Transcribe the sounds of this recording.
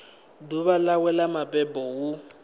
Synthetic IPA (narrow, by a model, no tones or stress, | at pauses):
duβalawɛlamapʼɛbʼɔwu